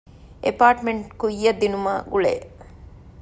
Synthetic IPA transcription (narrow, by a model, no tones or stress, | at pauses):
ʔepaːʈmeɳʈkujːɐd̪ːinumaːɡuɭḛː